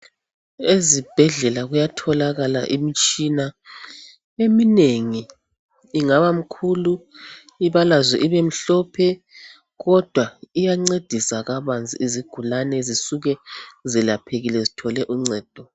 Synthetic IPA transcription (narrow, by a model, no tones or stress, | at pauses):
ezib̥ʱɛɮɛlaɣujatʰɔlaɣala̰ʔimit͡ʃʼina | emineŋiː | ŋaβam̩kʰulu | iβalazɛʔiβem̩ɬɔpʰɛ | ɣɔd̥ʱwaijaŋ͡ǀed̥ʱisaɣaβand͡zʱḭiziɡ̥ʱulanɛzisuɣɛzilapʰeɣilɛzitʰɔlɛʔuŋ͡ǀɛːd̥ʱɔ